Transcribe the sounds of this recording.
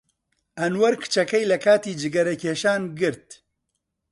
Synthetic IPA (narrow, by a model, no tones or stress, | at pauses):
ɐnwɐɾkʰɨ̥t͡ʃɐkɐjlɐkʰaːt̪iːd͡ʒɨɡɐɾɐkʰeːʃaːnɡɨɾt̪̚